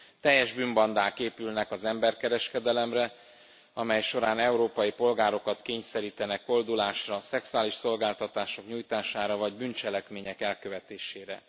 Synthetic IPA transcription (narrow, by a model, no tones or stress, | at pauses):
t̪ɛjːɛʒbymbɒnd̪aːkeːpylnɛkɒzɛmbɛrkɛɾɛʃkɛd̪ɛlɛmrɛ | ɒmɛjʃo̞ɾaːnɛuɾoːpɒjipo̞lɡaːɾo̞kɒt̪keːɲsɛɾiːt̪ɛnɛko̞ld̪ulaːʃrɒsɛksuaːliʃso̞lɡaːlt̪ɒt̪aːʃo̞kɲuːjt̪aːʃaːɾɒvɒɟbynt͡ʃɛlɛkmeːɲɛkɛlkøvɛt̪eːʃeːɾɛ̰